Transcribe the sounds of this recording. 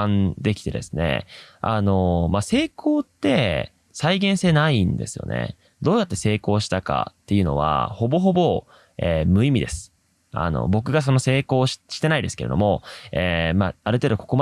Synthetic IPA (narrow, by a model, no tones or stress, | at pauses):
ãnd̪e̞kʲi̥t̪e̞d̪e̞̰sɨne̞̰ano̞mase̞ːkʰo̞ːt̪ːe̞ | saiɡẽ̞ɰ̃se̞ːnaĩnd̪e̞̰sɨjo̞̰ne̞̰ | d̪o̞ːjat̪ːe̞se̞ːko̞ːɕi̥t̪aka̰t̪ːe̞jɯ̟no̞̰βa̰ho̞bo̞ɦo̞bo̞ | eːmɯ̟imʲid̪e̞sɨ̥ | a̰no̞̰bo̞k̬ɯ̟ɡas̬o̞no̞se̞ːko̞ːɕɕi̥t̪e̞naid̪e̞sɨ̥ke̞ɾe̞̰d̪o̞mo̞eːmaaɾɯ̟t̪e̞ːd̪oko̞̥ko̞ma